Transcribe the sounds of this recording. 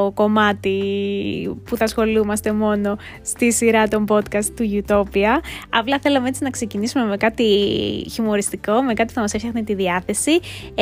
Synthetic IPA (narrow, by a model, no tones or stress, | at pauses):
ko̞mɐt̪i | puθɐsxo̞lumɐst̪e̞mo̞no̞ | st̪isiɾɐt̪o̞mbo̞t̪kɐst̪t̪ːuʝut̪o̞piɐɐplɐθe̞lɐmeet͡sinɐkse̞cinisume̞me̞kɐt̪içimo̞ɾist̪iko̞me̞kɐt̪i̥θɐmɐsefçɐxnit̪iðiɐθe̞si